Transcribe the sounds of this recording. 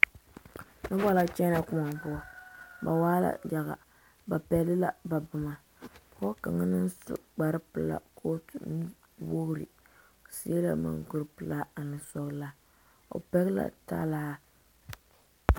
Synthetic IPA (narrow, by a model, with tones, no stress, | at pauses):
nɨ˦ba˦la˦t͡ʃɛ˦na˦kʊ˦ma˨m˨bʊ˦˨ba˨waː˦la̰˦d͡ʒa˨ɣa̰˨ | ba˨pɛ˨lɨ˦la˨ba˨bɨ˨ma˨ | kɔ˦ka̰˨ŋa˦nɨ˦nsɨ̰˦k͡pa˨ɾɨ˦pɨ˨la̰˦˨kʰo˦tu˨n˦ | wo˦hɾɨ̰˨ | si˦e˦la̰˨ma̰˨ŋɡʊ˦ɾɨ˨˦pɨ˨la˦a˨nɨ˨sɔ˨ɣla˦ | o̰˨pɛ˦ɣla̰˦˨ta̰˦la˦